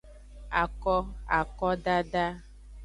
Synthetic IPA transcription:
a˨kɔ˦a̰˨kɔ˦ɖa˦ɖa˦

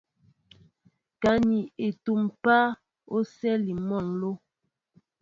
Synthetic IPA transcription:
ka˨˦ni˨e˨tu˨mpa˦ | o˦sɛ˦li˨mɔ˦˨nlo˦

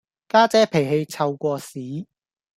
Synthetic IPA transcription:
kaː˥t͡sɛː˨˥pʰe˨˩jɦe˧jt͡sʰɐ˧wkʷɔː˧siː˨˥

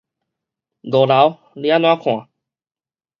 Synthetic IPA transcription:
d̪o˨la˨˦w | ljã˦nw̃ã˦kʰw̃ã˨˩˦

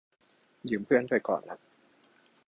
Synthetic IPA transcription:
jɯ˨˩˦mpʰɯ˥˩ənduː˧˩jkɔ̰ː˨˩nla˦˥k̚

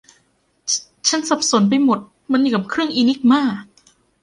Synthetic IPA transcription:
t͡ɕʰa˦˥nsa˨˩p̚so˨˩˦np̬a˧jmo˨˩t̪̚ | ma˧njuː˨˩ka˨˩p̚kʰɾɯ˥˩əŋʔiː˧ni˦˥k̚maː˥˩k̚

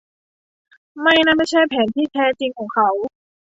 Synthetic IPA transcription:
ma˥˩jna˥˩˨ma˥˩jt͡ɕʰa˥˩jpʰɛː˩˦nt̪ʰiː˥˩t̪ʰɛː˧˥˩t͡ɕi˧ŋkʰɔː˩˦ŋkʰa˦˥w

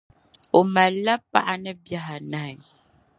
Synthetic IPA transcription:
o˨ma˨lːa˦pa˦ʔa˨nɨ˦bja˦ɦa˨na˨ɪ˨

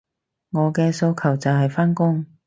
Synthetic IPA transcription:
ŋɔː˨˧kɛː˧so˧wkʰɐ˨˩wt͡sɐ˨wɦɐ˨jfaː˥nkʊ˥ŋ

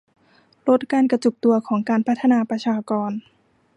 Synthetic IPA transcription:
lo˦˥t̪̚kaː˧nka˧t͡ɕu˨˩k̚t̪u˧ɐkʰɔː˩˦ŋkaː˧npʰa˦˥t̪ʰːa˧naː˧pɾa˧t͡ɕʰaː˧kɔː˧n

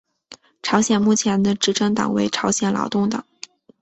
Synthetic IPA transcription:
ʈ͡ʂʰɑ˧˥ʊɕjɛ˨˩nmu˥˩t͡ɕʰjɛ˧˥nd̪ə˧ʈ͡ʂɻ̩˧˥ʈ͡ʂɤ˥ŋt̪ɑ̰˨˩ŋwe˧˥ɪʈ͡ʂʰɑ˧˥ʊɕjɛ˨˩nlʔɑ̰˧˥ʊt̪ʊ˥˩ŋt̪ɑ˨˩˦ŋ

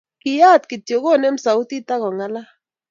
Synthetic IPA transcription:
kɪ˨ja˦˨tkɪ˨tjo˨ɣo˦˨nɛ˦m̩˦sa˨u˦t̪i˦ta˦ɣɔ˨ŋa˦la˦

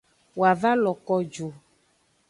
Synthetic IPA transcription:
wo˨a˨va˦lɔ˨kɔ˦d͡ʒo˨

